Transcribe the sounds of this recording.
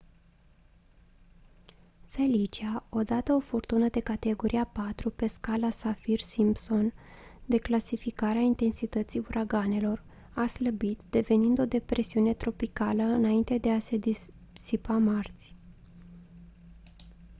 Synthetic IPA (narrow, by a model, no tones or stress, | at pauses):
fe̞lit͡ʃiao̞d̪at̪əo̞furt̪unəd̪e̞kat̪e̞ɡo̞ɾʔiapat̪ɾupe̞skalasafirsimpso̞nd̪e̞klasifikaɾeaint̪e̞nsit̪ət̪siuɾʔaɡane̞lo̞r | asləbit̪d̪̥e̞ve̞nind̪o̞d̪e̞pɾe̞siune̞t̪ɾo̞pikaləɨnaint̪e̞d̪e̞ase̞d̪i | sipamart̪sʲ